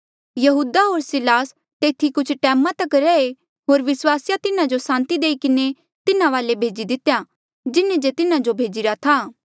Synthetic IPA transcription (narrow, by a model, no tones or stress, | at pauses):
jɐɦuːd̪aɦoːɾsɪlaːs | t̪eːt̪ʰikʊt͡ʃʰʈɛːmãt̪ɐkɾɛe | ɦoːɾʋɪswaːsjat̪ɪnãd͡ʒosãːnt̪id̪eːikɪne | t̪ɪnãʋaːlebʱeːd͡ʒid̪ɪt̪eja | d͡ʒɪnẽd͡ʒet̪ɪnãd͡ʒobʱeːd͡ʒɪɾat̪ʰaː